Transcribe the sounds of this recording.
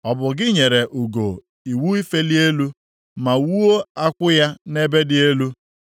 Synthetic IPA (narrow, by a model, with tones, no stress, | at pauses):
ɔ˨bʊ˨ɡɪ˦ɲe˨ɾe˨ʔu˨ɡo˨ | i˨wu˦i˦fe˦li˦e˦lu˦ | ma˨wu˦o˦a˦kʷʊ˦ja˦ne˦be˦dɪ˨e˦lu˦